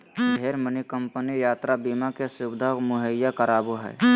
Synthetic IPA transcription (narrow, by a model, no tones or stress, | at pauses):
dʱeːɾmənikə̃mpənijaːt̪ɾabiːmakesʊbd̪ʱamʊɦəjːakəɾaːboɦɛ̰ː